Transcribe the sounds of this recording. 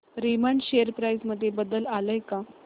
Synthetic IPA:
ɾiməɳʈɕejəɾpɾajd͡zməd̪ʱːjebəd̪əlaləjka

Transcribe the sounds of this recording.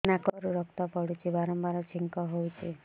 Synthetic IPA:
nakɔɾuɾɔkt̪ɔpɔɽut͡ʃʰibaɾɔmbaɾɔt͡ʃʰiŋkɔɦowt͡ʃʰe

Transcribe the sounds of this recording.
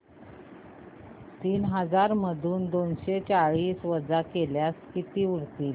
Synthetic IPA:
t̪iːnɦəd͡zaɾməd̪ʱuːnd̪onɕet͡ɕaɭiːsʋəd͡zakeljaskit̪iːuɾt̪iːl

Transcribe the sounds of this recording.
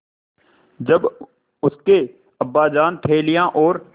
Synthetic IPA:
d͡ʒɐb | ʊske | ɐbːaːd͡ʒaːnt̪ʰeːlɪjãʔɔːɾ

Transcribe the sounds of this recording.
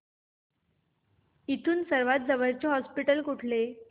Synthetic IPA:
it̪ʰuːnsəɾʋat̪̚d͡zəʋəɾt͡ɕeɦɔspiʈəlkuʈʰlet̪

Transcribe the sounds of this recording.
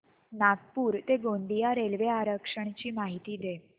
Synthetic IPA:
naɡpuːɾt̪eɡond̪ijaɾelʋeaɾəkʂəɳ̃t͡ɕiːmaɦit̪iːd̪e

